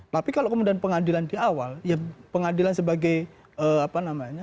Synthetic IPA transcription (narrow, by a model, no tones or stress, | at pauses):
t̪apikaloʔkəmudianpəŋadilandiawaljapəŋadilansəbaɡaj | əapanamaɲa